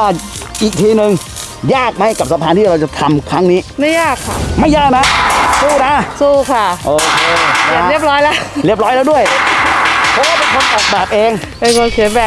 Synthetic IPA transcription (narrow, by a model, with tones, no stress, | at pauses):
aː˥˩ʔiː˨˩k̚t̪ʰiː˧nɯ˨˧ŋ | jaː˥˩k̚ma˦˥˩jka˨˩p̚sa˧pʰaː˧nt̪ʰiː˥˩ɾa˧wt͡ɕa˨˩t̪ʰa˧mkʰɾa˦˥ŋniː˦˥ma˥˩jaː˥˩kʰːa˦˥˩ma˥˩jaː˥˩k̚na˦˥suː˧˥˩na˦˥suː˥˩kʰa˥˩ʔoː˧kʰeː˧˨˩a˧˩ɾi˥˩əp̚lɔː˦˥jla˦˥ɾi˥˩əp̚lɔː˦˥jlɛː˦˥du˥˩əj | pʰɔ˦˥˦waː˥˩pe˧nkʰo˧nʔɔː˨˩k̚bɛː˨˩p̚ʔeː˧ŋ | pe˧nkʰo˧nsʰi˨˩˦bɛː˨˩